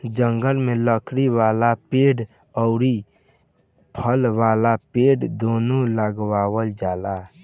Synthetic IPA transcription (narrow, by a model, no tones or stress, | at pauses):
d͡ʒəŋɡəlmẽləkʰɾiwaːlapeːɖ | ɔʊɾi | pʰəlʋaːlapeːɖd̪oːnoləɡwaːwəld͡ʒaːla